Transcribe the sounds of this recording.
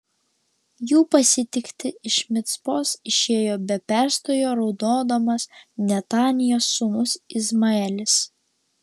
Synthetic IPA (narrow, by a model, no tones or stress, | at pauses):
juːpɐsʲɪt̪ʲɪkt̪ʲɪɪʃmʲɪt̪spoːsɪʃʲeːjoːbʲɛpʲæˑɾst̪oːjoːɾɒʊd̪oːd̪ɐmɐsnʲɛt̪ɑːnʲɪjoːsːʊmʊsɪzmɐɛlʲɪs